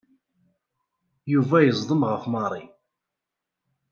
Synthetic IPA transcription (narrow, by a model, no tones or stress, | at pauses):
juvæjəzˤd̪ˤəmʁəfmɑɾˤi